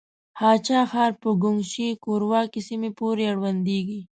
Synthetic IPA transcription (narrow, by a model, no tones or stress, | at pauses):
hɑt͡ʃɑxɑːɾpəɡʊŋʃikoɾwɑkisimepoɾeaɽwand̪eɡi